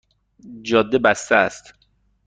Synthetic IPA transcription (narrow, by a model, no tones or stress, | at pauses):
d͡ʒɒːd̪ːebæst̪ææst̪